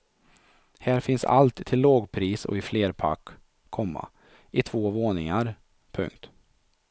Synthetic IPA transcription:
hæːɾfɪnsa̰lt̪ʰːɪlːoːɡpʰɾiːsɔ̰ɪfleːɾpʰa̰kʰː | ɔmːa̰ | ʔɪt̪ʰv̥oːvoːnɪŋaɾ | pʰɵ̰ŋkt̪

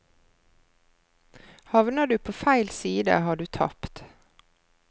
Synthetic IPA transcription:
hɑʋnɑd̪ʉːpʰoːfæɪlsiːd̪ə̰hɑːɖʉːt̪ʰɑ̰pt̪

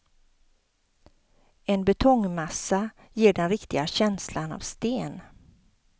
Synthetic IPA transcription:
ɛnbɛt̪ʰɔŋmasːa | jeːɖɛnɾɪkt̪ɪɡaɕɛnslana̰vst̪eːn

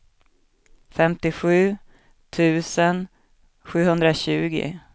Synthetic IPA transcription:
fɛmt̪ɪɧʉ̟ː | t̪ʰʉ̟ːsən | ɧʉ̟ːhɵnd̪ɾaɕʉ̟ːɡɪ̰

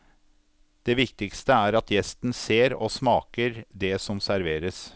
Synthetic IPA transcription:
d̪̥ɛːʋɪkt̪ɪkst̪əæːɾɑt̪jɛst̪n̩seːɾoːsmɑːkəɾd̪ɛsɔmsæɾʋeːɾəs

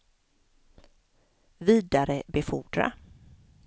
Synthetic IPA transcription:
viːd̪aɾəbɛfʊɖɾa̰

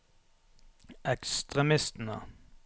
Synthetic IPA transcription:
ʔɛkst̪ʁɛmɪst̪n̩ə̰

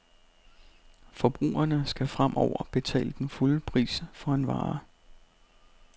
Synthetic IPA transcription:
fɒ̽b̥ʁṵːɐnəsɡ̥æfʁamʔɒʊ̰ɐ̰b̥e̝t͡sʰɛ̰ːləd̥enfuləpʰʁḭːsfɒ̽e̝nʋɑ̈ː

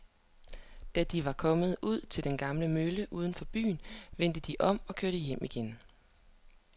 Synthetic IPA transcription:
d̥æd̥iʋɑ̈kʰɒ̽mð̞̩ˠuð̞̰ˠt͡sʰe̝ld̥enɡ̥ɑ̈mləmøləʔuːð̞ˠən̩fɒ̽b̥y̰ːnʋen̰d̥əd̥iʔɒ̽m̰ɒ̽kʰøɐɾ̥əjem̰iɡ̥en

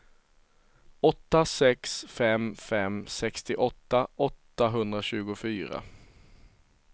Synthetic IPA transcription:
ɔt̪ːasɛksfɛmfɛmsɛkst̪ɪʔɔt̪ːaɔt̪ːaɦɵnd̪ɾaɕʉ̟ːɡʊfyːɾa̰

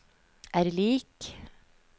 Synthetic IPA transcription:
ʔæːɾliːk

